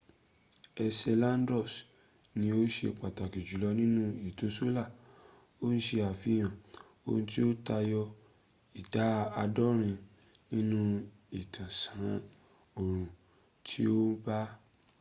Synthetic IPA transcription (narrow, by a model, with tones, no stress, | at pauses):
ɛ˧sɛ˧lã˦n˦dɾɔ˦˨s | nĩ˧˦o˦ʃḛ˧k͡pa˨ta˨ki˨d͡ʒu˨lɔ˧˦nĩ˦nũ˦i˨to˨˦so˦la˦˨ | o˦n̩˦ʃe˧a˨fi˨˧˦j̃ã˨ | o̰˧nũ˧ti˦o˦ta˧jɔ˧ | i˨da˨˦a˧dɔ˦ɾ̃ĩ˧ | nĩ˦nũ˦ | i˨tʰã˨sã˨˦ | o˨ɾ̃ũ˧ | tʰi˦o˦ba˦